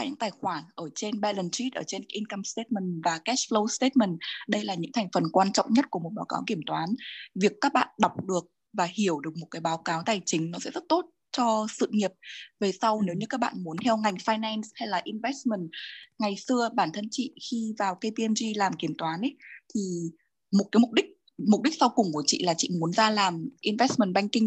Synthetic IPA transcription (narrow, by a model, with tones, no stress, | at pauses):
jɲɨ̰˧˥ŋt̪aː˨˩jxwaː˧˩nʔəː˧˩t͡ɕe˧nɓɛ˧lə˨˩nt͡ɕi˦˥t̚ʔəː˧˩t͡ɕe˧nʔi˧nkə˧mst̪e˦˥t̚mə˨˩nvaː˨˩kɛ˦˥sflə˧wst̪e˦˥t̚mə˨˩nɗə˧jlaː˨˩ɲɨ̰˧˥ŋt̪ʰa˨˩jŋ̟fə˨˩nkwaː˧nt͡ɕɔ̰˧˨wŋ͡mɲə˦˥t̚ku˧˩əmo˨˩t̚ɓaː˨˦wkaː˨˦wki˧˩əmt̪waː˨˦nvi˨˩əkːaː˦˥k̚ɓa̰ː˧˨nɗa˨˩wk͡p̚ɗɨ˨˩ək̚ | vaː˨˩hi˧˩əwɗɨ˨˩ək̚mo˨˩kaː˨˦jɓaː˨˦wkaː˨˦wt̪aː˨˩jt͡ɕï˨˦ŋ̟nɔ˨˦sɛ̰˧˥zə˦˥t̚t̪o˦˥t̚ | t͡ɕɔ˧sɨ̰˧˨ŋi˨˩əp̚ve˨˩sa˧wne˨˦wɲɨ˧kaː˦˥k̚ɓa̰ː˧˨nmu˨˦ənt̪ʰɛ˧wŋa˨˩jŋ̟faː˧jnɛ˧nshɛ˧jlaː˨˩ʔi˧nvɛ˦˥s̚mə˨˩nŋa˨˩jsɨ˧əɓaː˧˩nt̪ʰə˧nt͡ɕḭ˧˨xi˧vaː˨˩wkə˧jpi˧ɛ˧nzi˧laː˨˩mki˧˩əmt̪waː˨˦nʔə˨˦t̪ʰi˨˩ | mo˨˩t̚kaː˨˦mʊ˨˩k͡p̚ɗï˦˥k̚ | m˨˩k͡p̚ɗi˦˥k̚sa˧wkʊ˨˩ŋ͡mku˧˩ət͡ɕḭ˧˨laː˨˩t͡ɕḭ˧˨mu˨˦ənzaː˧laː˨˩mʔi˧nvɛ˦˥s̚mə˨˩nɓa˧jŋ̟kï˧ŋ